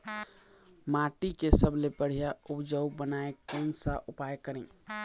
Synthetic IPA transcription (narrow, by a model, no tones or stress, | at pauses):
maʈikesəblepəɽ̤ijaupd͡ʒəwbənaekonsaʔupajkəɾɛ̃